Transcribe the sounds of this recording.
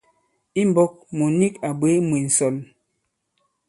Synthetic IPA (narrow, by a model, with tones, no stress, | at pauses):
i˦m˨bɔ˦k̚mo˨ni˦ka˨bwe˨˦mwi˨n̩˨sɔ˨l